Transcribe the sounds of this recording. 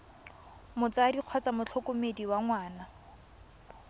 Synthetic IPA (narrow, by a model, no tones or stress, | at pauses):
mʊt͡sadiq͡χʰwɔt͡samʊt͡ɬʰɔkʊmediwaŋwaːna